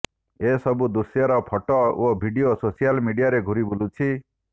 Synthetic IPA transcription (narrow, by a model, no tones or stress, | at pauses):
esɔbud̪usjaɾɔpʰɔʈɔobʱiɖiososijalmiɖijaɾeɡʱuɾibulut͡ʃʰi